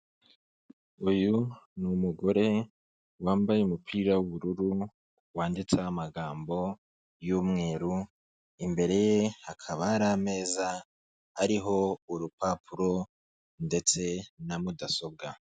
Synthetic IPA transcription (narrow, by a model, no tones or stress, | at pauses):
ujunumuɡo̞ɾe̞ | waːmbajeumupʰiːɾawuβuɾuɾu | waːndit͡sahamaɡaːmbo̞ | juːmŋe̞ːɾu | imbe̞ɾe̞jehakʰaβaːɾaːme̞ːza | haɾiɦo̞uɾupapʰuɾo̞ | nde̞t͡se̞namudaso̞b̚ɡa